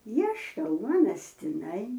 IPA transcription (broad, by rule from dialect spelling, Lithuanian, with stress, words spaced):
ˈiɛʃkɐ ˈuɔnɐs tʲɪˈnɐɪ